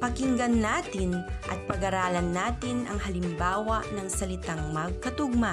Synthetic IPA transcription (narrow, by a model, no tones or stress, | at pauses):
pɐkɪŋɡɐnːaːt̪ɪnʔɐ̰t̪̚pɐɡɐɾaːlɐnːaːt̪ɪnʔɐŋhɐlɪmbaːwɐʔnɐŋsɐlɪt̪aŋmɐɡ̚kɐt̪ʊɡ̚ma